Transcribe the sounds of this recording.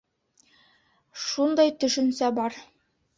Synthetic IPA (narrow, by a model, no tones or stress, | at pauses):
ʃund̪ɑjt̪ɵ̆ʃɵ̆nsæbɒɾ